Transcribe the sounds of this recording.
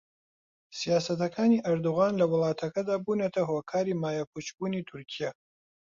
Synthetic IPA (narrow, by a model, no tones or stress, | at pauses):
sijaːsɐt̪ʰɐkʰaːniːʔɐɾd̪uʁaːnlɐwʊlˠɑːtʰɐkʰɐd̪aːbuːnɐt̪ʰɐɦokʰaːɾiːmaːjakʷʰut͡ʃbuːniːtʰuɾkʰija